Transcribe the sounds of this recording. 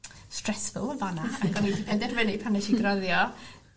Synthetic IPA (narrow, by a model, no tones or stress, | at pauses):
strɛsfʊ̰lˠəvanaaɡɔnipʰɛdɛrvɛlˠipʰanɛʃiɡrɔðjɔ